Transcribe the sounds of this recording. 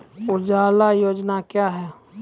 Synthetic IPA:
ʊd͡ʒaːlajoːd͡ʒnakjaːɦɛː

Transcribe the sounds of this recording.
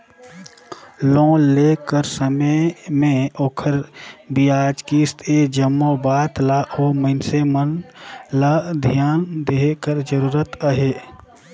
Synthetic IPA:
lõːlekəɾsəməmẽoːkʰəɾbijaːd͡ʒkist̪ʰed͡ʒəmːobaːt̪laʔoməɪnsemənlad̪ʱjaːnd̪eɦkəɾd͡ʒəɾuːɾət̪əɦe

